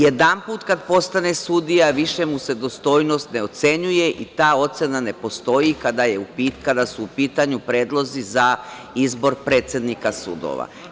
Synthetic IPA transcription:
jed̪ampuːt̪kad̪po̞st̪ane̞sud̪ijaʋiʃe̞muse̞d̪o̞st̪o̞jno̞st̪ne̞o̞t̪se̞ɲuje̞ʔit̪aːo̞t̪senane̞po̞st̪o̞jikad̪ajeupikad̪asuːpiːt̪aɲupɾe̞ːd̪lˠo̞ziza | izbo̞ɾpɾe̞ːt̪sje̞d̪nikasṵd̪o̰ʋa̰

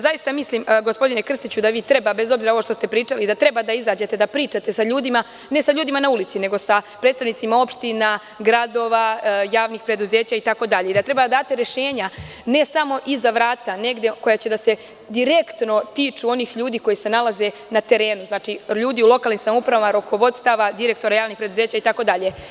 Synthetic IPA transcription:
zajist̪amislimɡospo̞d̪ine̞kr̩st̪it͡ɕud̪aʋiːt̪ɾe̞babe̞zo̞bziɾao̞ʋo̞ʃt̪o̞st̪e̞pɾiːt͡ʂalid̪at̪ɾe̞bad̪aizaːd͡ʑe̞t̪e̞d̪apɾiːt͡ʃat̪e̞saʎuːd̪ima | ne̞saʎuːd̪imanaulit̪sine̞ɡo̞sapɾet̪st̪aʋnit̪simao̞pʃt̪ina | ɡɾad̪o̞ːʋajaːʋniːxpɾe̞d̪uze̞ːt͡ɕait̪ako̞d̪aʎeid̪at̪ɾe̞bad̪ad̪aːt̪eɾe̞ʃe̞ːɲa | ne̞samo̞ʔizaʋɾaːt̪ane̞ɡd̪ekojat͡ɕe̞d̪ase̞ | d̪iɾe̞kt̪no̞t̪iːt͡ʃuo̞niːxʎuːd̪iːko̞jise̞nalaze̞ | nat̪e̞ɾe̞ːnuznaːt͡ʃiʎuːd̪iulo̞kalnimsamoupɾaʋamaɾo̞ko̞ʋo̞d̪st̪aʋad̪iɾe̞k̚t̪o̞ɾajaːʋnixpɾe̞d̪uze̞ːt͡ɕait̪ako̞d̪aʎe̞

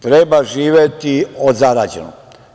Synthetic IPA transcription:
t̪ɾebaʒiːʋjet̪iozaɾaːd͡ʑḛno̰

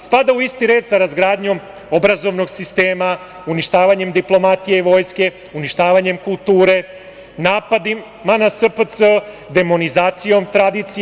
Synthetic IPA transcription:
spad̪auist̪iɾe̞ːd̪saɾazɡɾaːd̪ɲo̞m | o̞bɾazo̞ʋno̞ɡsist̪e̞ːma | uniʃt̪aːʋaɲe̞md̪iplˠo̞mat̪ijeiʋo̞ːjske̞ | uniʃt̪aːʋaɲe̞mkulˠt̪uːɾe̞ | naːpad̪iː | anasəpət̪sə | d̪e̞mo̞nizaːt̪sijo̞mt̪ɾad̪it̪si

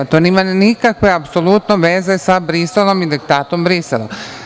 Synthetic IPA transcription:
t̪oːniːmanikakʋe̞apsolˠut̪noʋeːze̞sabɾiselˠo̞mid̪ik̚t̪aːt̪o̞mbɾiselˠa̰

